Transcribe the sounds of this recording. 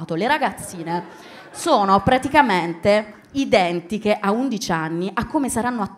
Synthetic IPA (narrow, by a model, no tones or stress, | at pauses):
t̪oleɾaɡat̪sːiːne | soːnopɾat̪ikament̪e | id̪ɛnt̪ikeʔaund̪it͡ʃanːiʔakːomesaɾanːoat̪ː